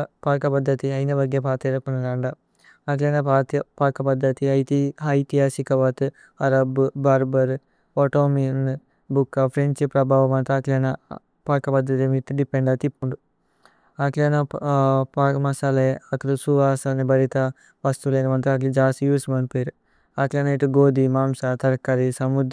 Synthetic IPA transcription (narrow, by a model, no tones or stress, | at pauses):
paːkɐpɐd̪ʱːɐt̪iɐjnɐbɐɡjɐpaːt̪eɾɐkunɐlɐɳɖɐ | ɐklɐnɐpaːt̪ɐpaːkɐpɐd̪ʱːɐt̪iɐjt̪iɐjt̪iɦaːsikɐʋaːt̪ɨ | ɐɾɐbbɐɾbɐɾ | oʈoːmin | bukːɐpʰɾeɲt͡ʃɨpɾɐbʱaːʋɐmɐnt̪ɾɐaklɐnɐ | paːkɐpɐd̪ʱːɐt̪imit̪ːɖipːeɳɖɐt̪ipːuɳɖu | ɐklɐnɐpːmɐsalɐjɐɐk̪ɾusuʋaːsɐnibɐɾit̪ɐ | ʋɐst̪uleːnuʋɐnt̪ɾɐɐːk̬lid͡ʒaːst̪ijuːsmɐnpeːɾ | ɐklɐːnɐiʈuɡoːd̪imaːmsɐt̪ɐɾkɐɾisɐmud̪